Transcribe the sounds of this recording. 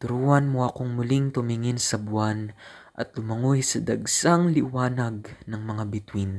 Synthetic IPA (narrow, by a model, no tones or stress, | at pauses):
t̪ʊɾuːhɐnmoʔɐkoŋmʊlɪŋt̪ʊmɪŋɪnsɐbʊan | ʔɐ̰t̪̚lʊmɐŋuɪsɐd̪ɐɡsaŋlɪwaːnɐɡ̚nɐŋmɐŋabɪt̪win